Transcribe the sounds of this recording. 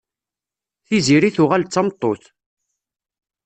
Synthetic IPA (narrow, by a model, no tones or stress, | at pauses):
θiziɾiθʊʁælt͡sːɑmt̪ˤːoθ